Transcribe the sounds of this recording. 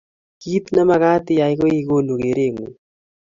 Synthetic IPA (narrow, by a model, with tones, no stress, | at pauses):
ki˦t̪na˦ma˦ka˦t̪ɪ˨ja˨ɪ˦ko˦i˦ko˦lo˨ke˨ɾe˦˨ŋu˨